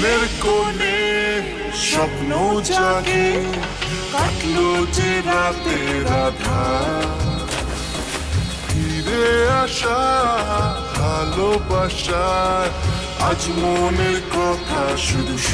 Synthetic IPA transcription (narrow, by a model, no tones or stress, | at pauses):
neɾkone | ʃɔbnowt͡ʃaɦe | aklod͡ʒeɾat̪eɾat̪ʰa | pʰiɾeaʃa | bʱalobaʃaɾ | ad͡ʒmoneɾkɔt̪ʰaʃuɾu